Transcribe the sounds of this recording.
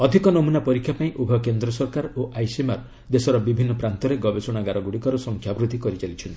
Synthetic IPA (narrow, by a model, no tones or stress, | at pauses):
ɔd̪ʱikɔnɔmunapɔɾikʰjapaĩʔubʱɔkend̪ɾɔsɔɾkaɾoʔajsimaɾ | d̪esɔɾɔbibʱinːɔpɾant̪ɔɾeɡɔbesɔɽ̃aɡaɾɔɡuɽikɔɾɔsɔŋkʰjabɾud̪ʱikɔɾit͡ʃalit͡ʃʰɔnt̪i̥